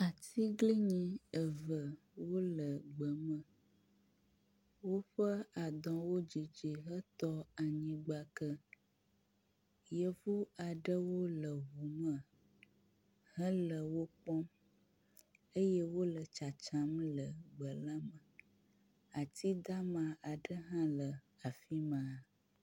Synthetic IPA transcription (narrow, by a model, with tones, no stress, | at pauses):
a˨t̪i˦ɡli˦ɲĩ˦ə˨və˨ | wo˦lə˨ɡ͡bə˨mə̃˨ | wo˦ɸə˦a˨d̪ɔ̃˨wo˦d͡ʒi˨d͡ʒi˨ɦə˦t̪ɔ˦a˨ɲĩ˨ɡ͡ba˨kə˦ | jə˦vu˦a˨ɖə˦wo˦lə˨vu˨mə̃˨ | hə˦lə˨wo˦k͡pɔ˦m | ə˦jɛ˦wo˦lə˨t͡ʃa˨t͡ʃã˦mlə˨ɡ͡bə˨la˦mə̃˨ | a˨t̪i˦d̪a˦mã˨a˨ɖə˦ɦã˦lə˨ | a˨fi˦mã˨